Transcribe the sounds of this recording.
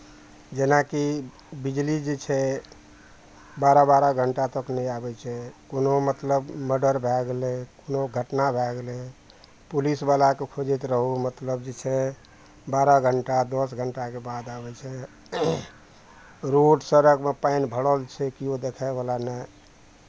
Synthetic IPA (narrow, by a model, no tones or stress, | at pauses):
d͡ʒenaki | bid͡ʒlid͡ʒet͡ʃʰɛ | baɾabaɾaɡʱəɳʈat̪əknɛjabɛt͡ʃʰɛkonomət̪ləbməɖəɾbʱɛɡlekonoɡʱəʈnabʱɛɡle | pulisbalakekʰod͡ʒet̪ɾəɦumət̪ləb̚d͡ʒet͡ʃʰɛ | baɾaɡʱəɳʈad̪ɔsɡʱəɳʈakebad̪abɛt͡ʃʰɛ | ɾoɖsəɾəkmepainbʱəɽəlt͡ʃʰɛkiod̪ekʰaebalanaj